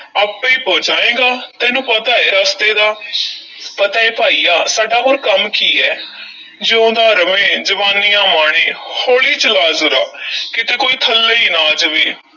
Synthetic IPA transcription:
aːpːẽːpoːd͡ʒaːẽːɡaːt̪ɛːnũːpət̪aːeːɾaːst̪eːd̪aː | pət̪aːeːpaːiːjaːsaːɖaːɦoːɾkəmkiːɛː | d͡ʒõːd̪aːɾəmẽːd͡ʒəʋaːniːãːmaːɽ̃eːhoːɭiːt͡ʃəlaːzʊɾaːkɪt̪eːkoːiːt̪ʰəlːeːinaːd͡ʒʋiː

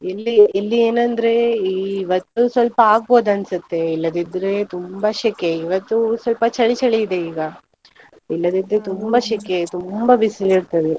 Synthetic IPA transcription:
ilːiilːieːnɐnd̪ɾe̞iːʋɐt̪ːusʋɐlpɐaːɡ̚bo̞ːd̪ɐnsut̪ːe̞ilːɐd̪id̪ɾet̪umbɐʃɛkeiʋɐt̪ːusʋɐlpɐt͡ʃɐɭit͡ʃɐɭiid̪e̞iːɡɐ | ilːɐd̪id̪ɾet̪umbɐʃɛket̪umbɐʋisiliɽt̪ɐd̪e

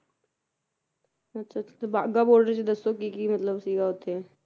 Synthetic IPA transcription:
ɐtːʃʰat͡ʃʰt̪obaːɡaboːɽɖəɾt͡ʃed̪əsokikimət̪ləbsiːɡaɦoːt̪e

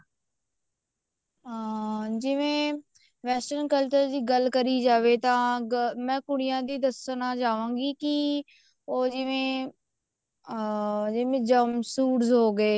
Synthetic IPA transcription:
d͡ʒɪʋẽː | ʋɛːsʈənkəlt͡ʃəɾd͡ʒiːɡəlkəɾiːd͡ʒaːʋeːt̪ãːɡmɛ̃ːkʊɽɪjãːd̪iːd̪əsənãːd͡ʒaːʋãːɡiːki | oːd͡ʒɪʋẽː | d͡ʒɪʋẽːd͡ʒəmsuːʈzɦoːɡeː

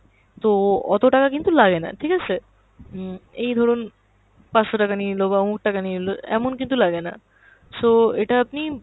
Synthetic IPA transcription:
t̪oɔ̰t̪oʈakakint̪ulaɡena̰ʈʰikat͡ɕʰe | ejd̪ʱɔɾon | paʃoʈakanilobaomuk̚ʈakaniloɛ̰monkint̪̬ulaɡena̰ | t̪oeʈaapni

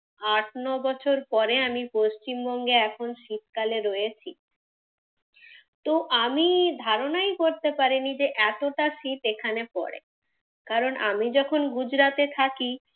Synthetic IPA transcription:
aʈnɔbɔt͡ɕʰoɾpɔɾeamipoʃt͡ɕimbɔŋɡeɛkʰonʃit̪kaleɾojet͡ɕʰi | t̪oʔamid̪ʱaɾonajkoɾt̪epaɾinid͡ʑeʔɛt̪oʈaʃit̪ekʰanepɔ̰ɾḛ | kaɾonʔa̰mid͡ʑɔkʰonɡud͡ʑɾat̪et̪ʰaki

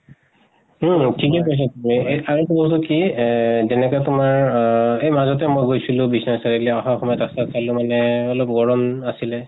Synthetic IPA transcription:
m̩tʰikɛk̬ojs̬atumieaɹɛtubɔtukizɛnɛkɔjtʊmaɹejmazɔt̬ɛmojɡojsilʊ̃bisnɔsaɹiklɛɔxaxɔmɔjtaksatsalʊ̃manɛɔlɔp̚ɡɔɹɔmasilɛ

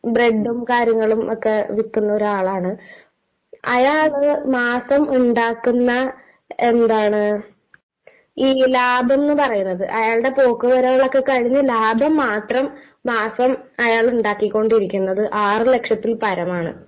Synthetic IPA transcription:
breɖːumkaːɾjɐŋːɐɭumʔokːe̞ʋikːunːɐo̞ɾuaːɭaːɳɨ | ɐjaːɭmaːsɐmuɳɖaːkːunːɐ | e̞nd̪aːɳɨ | iːlaːbʱe̞nːɨpɐrɐjunːɐðɨʔɐjaːɭɽe̞po̞ːkːɨʋɐɾɐŋːɐɭo̞kːe̞kɐɻiɲːɐlaːbʱɐmːaːt̪rɐmː | aːsɐm | ɐjaːɭuɳɖaːkːikʲːo̞ɳɖiɾikʲːunːɐðɨʔaːrɨle̞kʂɐt̪ːilpɐɾɐmaːɳɨ̰

